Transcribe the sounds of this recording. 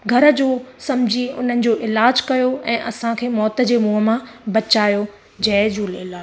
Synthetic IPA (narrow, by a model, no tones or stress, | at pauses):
ɡʱɐɾəd͡ʑoːsɐmd͡ʑʱiʊ̰n̤ənɪ̆d͡ʑoːʔɪlaːd͡ʑkɐjoɛ̃ːʔɐsãkʰeːmɔːt̪ə̆d͡ʑeːmuːɦə̆mãbɐt͡ɕaːjo | d͡ʑɐːd͡ʑoːleːlaː